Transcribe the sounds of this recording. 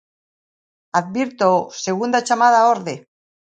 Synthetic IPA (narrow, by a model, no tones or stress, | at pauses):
aðβiɾt̪oseɣ̞und̪at͡ʃamað̞aoɾðe